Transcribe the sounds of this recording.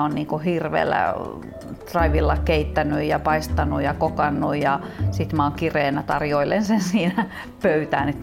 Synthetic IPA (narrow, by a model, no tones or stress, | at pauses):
onniːŋkuhirʋḛːlːæ̰ | t̪rɑiʋilːɑkkeit̪ːænyjjɑpɑist̪ɑnujɑkokɑnːujjɑsit̪mæoŋkireːnæt̪ɑrjoilensensiːnæ | pøyt̪æːnet̪